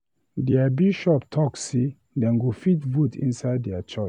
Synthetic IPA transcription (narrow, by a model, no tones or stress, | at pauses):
dɛabiʃɔptʰɔkse | dɛ̃nɡofitvutḭ̃nsaɪdːɛat͡ʃɔt͡ʃ